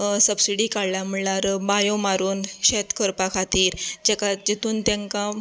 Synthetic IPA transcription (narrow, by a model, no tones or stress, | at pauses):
səbsiɽikaɽlam̤uəɭlaɾbajõmaɾuːnɕet̪kəɾpakʰat̪iːɾd͡ʑɛkad͡ʑet̪ʰuːnt̪jãŋkã